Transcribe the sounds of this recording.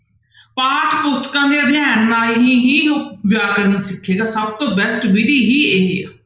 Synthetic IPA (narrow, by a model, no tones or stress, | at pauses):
paːʈʰpʊst̪kãːd̪jãːd̪ɪjãːnlaːɦiːɦiːʋɪjaːkəɾniːsɪkʰːeːɡaːsəb̚t̪õːbɛsʈbid̪iːɦiːeːɦḛː